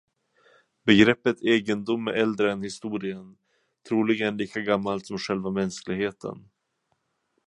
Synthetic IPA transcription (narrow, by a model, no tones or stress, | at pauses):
bɛɡɾɛpːət̪eːɡənd̪ʊmːæɾʔɛld̪ɾəɛnhɪst̪uːɾɪən | t̪ʰɾuːlɪɡənliːkaɡamːalt̪sɔmɧɛlvamɛnsklɪɡheːt̪ʰə̰n